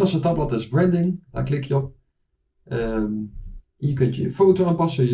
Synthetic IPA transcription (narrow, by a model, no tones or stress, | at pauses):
nɑsətɑplɑtɪzbɹɛ̃ndɪŋla̰klɪkjə | ʔəm | iək̬ɵntəfowtoaːnpɑsə